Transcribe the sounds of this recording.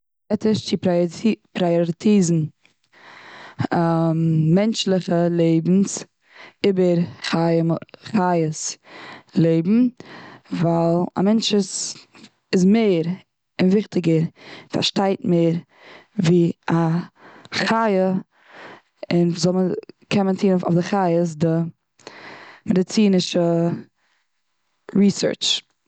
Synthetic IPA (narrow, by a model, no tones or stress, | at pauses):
ɛtəʃt͡ʃippɾajɔɾɪtʰiːzn̩ | ɛnt͡ʃlˠɪχəlˠeɪbn̩s | ɪbəɾχaəχajəs | lˠeɪbm̩ | valˠa̰mɛnt͡ʃəs | ɪzmeɪɾ | ɪnvɪχtɪɡəɾfa̰ɾʃtaɪtmeːɾ | viːa | χajə | ɪnzɔlˠməkʰɛməntʰiːno̰fdɪχajəs̬dɪ | mɛdɪt͡siːnɪʃə | ɾiːsə̰˞t͡ʃ